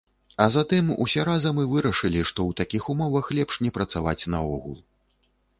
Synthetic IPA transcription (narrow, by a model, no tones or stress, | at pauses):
ɐzat̪ɨmṵsʲɛɾazɐmɨvɨɾɐʂɨlʲiʂt̪ɔwt̪akʲixumɔvɐxlʲɛpʂnʲɛpɾɐt̪savat͡sʲnɐɔɣṵlˠ